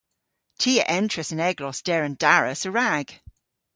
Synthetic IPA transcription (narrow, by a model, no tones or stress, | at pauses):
tʰiːəʔɛntʰɹ̥əsə̃nɛɡlɔsd̥ɛɹə̃nd̥aɹə̰səɹaɡ̥